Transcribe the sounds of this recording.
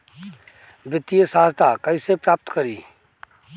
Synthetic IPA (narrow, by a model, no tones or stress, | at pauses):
bɪt̪ijəsaːzt̪aːkəisepɾaːp̚t̪kəɾiː